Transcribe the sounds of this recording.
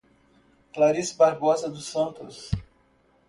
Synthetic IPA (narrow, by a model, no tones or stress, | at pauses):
klaɾisbaɾbɔzɐd̪ʊsɐ̃nt̪ʊs